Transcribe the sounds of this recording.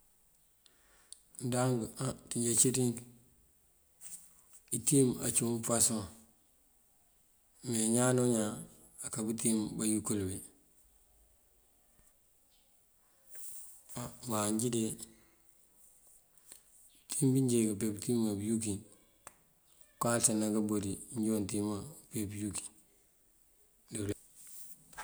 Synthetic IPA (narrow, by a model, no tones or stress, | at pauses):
ndaŋɡatiɲɟet͡ʃitiŋk | itima̰t͡ʃupasma | meɲanoɲa | akabutimbajukulbe | amaɲɟide | timbiɲd͡ʒeɡapebtimabjuki | kalsanaɡabodiɲɟontimapebjuki̥ | del